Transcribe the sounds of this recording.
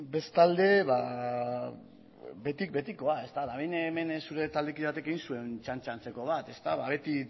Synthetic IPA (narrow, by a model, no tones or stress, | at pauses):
be̞st̪ald̪e̞βa | be̞t̪ik̚be̞t̪iko̞ae̞st̪aðaβeneme̞nsuɾe̞t̪ald̪ek̬iβat̪e̞ke̞ɣinsue̞nt͡ʃant͡ʃant͡se̞ko̞β̞at̪e̞st̪aβaβe̞t̪i